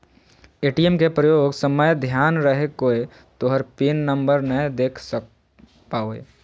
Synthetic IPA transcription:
eːʈiemkepɾəjoːɡsəməjd̪ʱjaːnɾəɦekoːe | t̪oɦəɾpinːə̃mbəɾnəjd̪eːkʰsə | paːoḛː

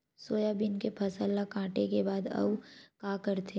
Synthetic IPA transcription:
soːjabɪnkepʰɐsəlːakãːʈekebaːd̪ɐ̰ʋkãːkɐɾt̪ʰe

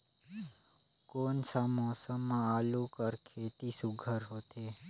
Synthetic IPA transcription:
konsamõsəmãalũkəɾkʰet̪isuɡʱəɾɦot̪ʰe

